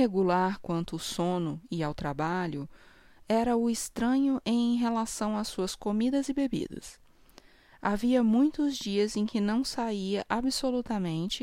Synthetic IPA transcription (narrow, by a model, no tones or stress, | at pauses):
heɡulaɾkwɐ̃nt̪ʊːsõnʊɪawt̪ɾabaʎʊ | ɛɾɐʊɪst̪ɾɐ̃ɲʊʔẽj̃ɦelasɐ̃w̃asuɐskomid̪ɐzɪbebḭd̪ɐ̰s | a̰viɐmũj̃t̪ʊzd͡ʒiɐzẽj̃kɪnɐ̃w̃saiɐʔabɪsolut̪ɐmẽnt͡ʃɪ